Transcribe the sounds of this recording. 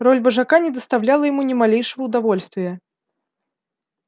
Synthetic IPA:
rɔlʲvɐʐakanʲɛd̪ɐst̪awlʲalˠɐjamunʲɛmalʲejʂɨvɐwd̪avɔlʲst̪vʲɪjɛ

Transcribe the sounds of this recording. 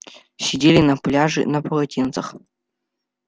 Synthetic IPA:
sʲedʲelʲinɐplʲaʐɨ̰nɐpʰɐlˠɐtʲʰint̪t͡sɐχ

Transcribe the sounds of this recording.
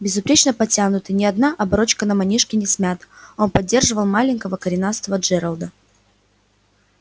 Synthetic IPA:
bʲɪzʊpɾʲet͡ɕnəpɐtʲanʊt̪ɨnʲɪɐd̪naʔɐbɐɾo̞t͡ɕkənəmɐnʲiʂkʲɪnʲɪsʲmʲat̪o̞npɐdʲːe̞rʐɨvəlˠmalʲɪnʲkəvəkəɾʲɪnast̪vəʐɛɾəlˠd̪ə

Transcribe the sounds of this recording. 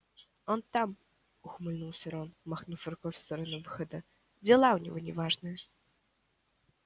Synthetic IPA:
ont̪am | ʊxmɨlʲnulˠsʲɪɾonmaxnufʲɪrkofʲst̪əɾənuvɨxəd̪ə | d͡zʲɪlˠaʊnʲɪvonʲɪvaʐnɨjə

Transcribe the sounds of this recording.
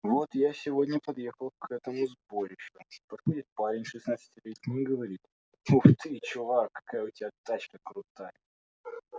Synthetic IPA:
vo̞t̪jasʲɪvodʲnʲəpɐd̪jexəlˠkʰɛt̪əmʊzbo̞ɾʲɪɕopɐt̪xodʲɪt̪̚paɾʲɪnʲʂɨsnat̪sɨ̥tʲɪlʲetʲnʲɪɡəvɐɾʲit̪̚ | uxt̪ɨt͡ɕʊvakːɐ̥kajəʊtʲɪbʲat̪at͡ɕkəkɾʊt̪ajə

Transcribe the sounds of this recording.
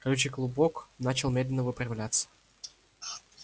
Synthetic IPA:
kɐlʲut͡ɕɪɡlˠʊboknat͡ɕɪlˠmʲed̪lʲɪnːəvɨpɾɐvlʲat̪sə̥

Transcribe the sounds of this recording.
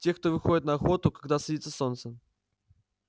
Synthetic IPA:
tʲexk̚t̪ovɨxodʲɪt̪nɐːxo̞t̪ʊkɐɡd̪asɐdʲit̪səsont̪sə

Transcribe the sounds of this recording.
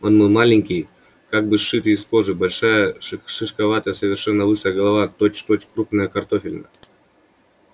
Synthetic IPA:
onmɨlˠmalʲɪŋʲkʲɪj | kaɡ̚bɨʂːɨt̪ɨːsko̞ʐɨbɐlʲʂajəʂɨʂkɐvat̪əjəsəvʲɪrʂɛnːəvɨʂəjəɡɐlˠɐvat̪ot͡ɕt̪ot͡ɕkɾupnəjəkɐrt̪ofʲɪlʲnə̰

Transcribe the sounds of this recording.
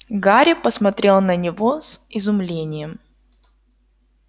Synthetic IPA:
ɡaɾʲɪpəsmɐt̪ɾʲe̞lˠnənʲɪvosɪzʊmlʲenʲɪjəm

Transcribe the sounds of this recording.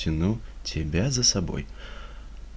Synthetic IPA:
ɪnut͡sʲɛbʲazɐsabɔ̰j

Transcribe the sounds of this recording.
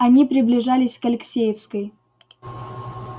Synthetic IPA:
ɐnʲipɾʲɪblʲɪʐalʲɪsʲkɐlʲɪksʲejɪfskəj

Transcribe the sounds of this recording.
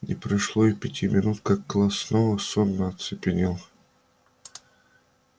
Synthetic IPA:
nʲɪ̰pɾɐʂlˠoipʲɪtʲimʲɪnut̪kak̚ːlˠasnovəsonːəɐt̪sɨpʲɪnʲelˠ

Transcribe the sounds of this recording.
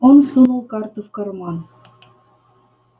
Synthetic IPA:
onsunɤ̆lˠkɑrt̪ofkɤ̆rmɑn

